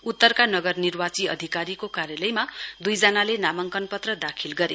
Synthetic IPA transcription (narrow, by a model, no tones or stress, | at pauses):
ut̪ːʌrkanʌɡʌrnirbat͡siʌ̰d̪ʱikaɾikokaɾjalʌjmad̪ujd͡zʌnalenamʌŋkʌnpʌt̪rʌd̪akʰilɡʌɾe